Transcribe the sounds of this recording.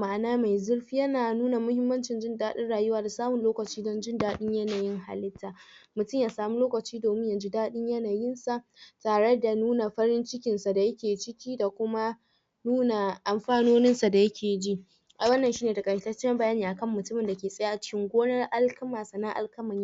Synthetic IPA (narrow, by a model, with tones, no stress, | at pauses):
ma˦˨ʔnaː˦ma˨jzʊ˦rɸi˦jɐ˦naː˨nuː˦na˨mʊ˦hɪ˦mːɐ˦nt͡ʃɪ˨nd͡ʒɪ˦ndaː˦ɗɪ˦nɽaː˨jʊ˦waː˦da˨saː˦mʊ˨nloː˦kɐ˨t͡ʃiː˦dɔ˦nd͡ʒɪ˦ndaː˦ɗɪ˦ɲjɐ˦naː˨jɪ˦ŋha̰˨lɪ˦tʰːaː˨mʊ˨tʊ˦mjaː˨saː˨muː˦loː˦kɐ˨t͡ʃiː˦doː˨mɪ˦ɲja˨d͡ʒi˦daː˦ɗɪ˦ɲjɐ˦naː˨jɪ˦nsa˨ʔtaː˨ɽe˦da˨nuː˦na˨ɸɐ˦ɾɪ˦nt͡ʃɪ˦kʲɪ˨nsa˨da˨jɐ˦kʲeː˨t͡ʃɪ˦kʲiː˦da˨kʷʊ˦ma˦ | nuː˦na˨ʔa˨mɸaː˦noː˦nɪ˦nsa˨da˨jɐ˦kʲʰeː˨d͡ʒi˦ | ʔa˨wɐ˦nːɐ˨nʃiː˦neː˨ta˨kʼɐ˨ʃɪ˨tɐ˦t͡ʃːɪ˦ɐ˦mbɐ˦jaː˦niː˨ʔa˨kɐ˦˨mːʊ˨tʊ˦mɪ˨nda˨kʲeː˨sʼɐ˦ja˦ʔa˨t͡ʃɪ̥˦kʲɪ˦ŋɡʷoː˦nɐ˦rʔa˦lkɐ˦maː˨sa˨na˦ʔa̰˦lkɐ˦mɐ˨ɲ˦˨